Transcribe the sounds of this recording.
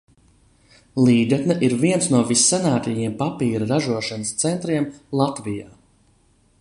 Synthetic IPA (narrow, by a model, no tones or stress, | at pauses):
lˠiːɡat̪nɛʔiɾviɛnsnuɔvisːanaːt̪ʲɛjiɛmpapiːɾɾaʒuɔʃanəst̪sɛnt̪ɾiɛmlˠat̪vija̰ː